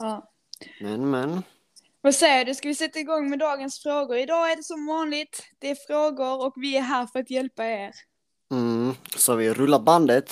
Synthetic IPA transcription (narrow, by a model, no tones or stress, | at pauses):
ɑː | mɛnmɛn | vasɛjːəɖɵskavɪsɛt̪ːaɪɡɔŋːmɛd̪ɑːɡənsfɾoːɡʊɾɪd̪ɑːæɖɛsɔmvɑːnlɪt̪d̪̥ɛːɾfɾoːɡʊɾɔkvɪæɾɦæːɾfœɾat̪jɛlpaeːɾ | m̩savɪɾɵlːaband̪ət̪